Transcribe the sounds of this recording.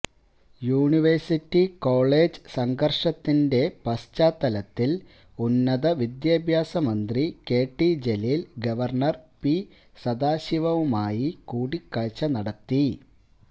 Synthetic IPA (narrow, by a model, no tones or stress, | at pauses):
juːɳiʋɐrsitːiko̞ːɭe̞ːd͡ʑɨsɐŋɡɐrʂɐt̪ːinde̞pɐst͡ɕaːt̪ːɐlɐt̪ːil | unːɐðɐʋid̪jaːbʱjaːsɐmɐnd̪rike̞ːʈːid͡ʑelilɡɐʋɐrɳɐrpi | sɐd̪aːɕiʋɐʋumaːjikuːɽikːaɻt͡ɕːɐnɐɽɐt̪ːi